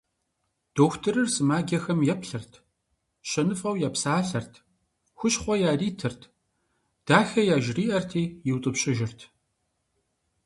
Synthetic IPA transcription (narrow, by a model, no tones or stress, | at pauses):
d̥oːxʷtʰɨɾɨrsɨmaːɡʲɐxɐmjɛpɬɨrtʰ | ɕɐnɨfɐwjaːpsaːɬɐrtʰ | xʷʊɕχʷɔjaːriːtʰɨrtʰ | d̥aːxɐjaːʒriːʔɐrtʰiːjɪwtʼɨpɕʼɪʒɪrtʰ